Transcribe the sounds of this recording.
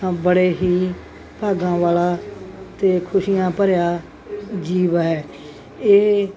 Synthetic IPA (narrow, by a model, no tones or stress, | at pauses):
bəɽeːɦiː | paːɡãːʋaːlaːt̪eːkʰʊʃiːjãːpəɾjaː | d͡ʒiːʋɦɛː | eː